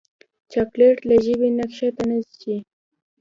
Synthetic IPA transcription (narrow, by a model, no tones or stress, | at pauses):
t͡ʃapleʈlaʒəbinakʃat̪anazt͡ʃi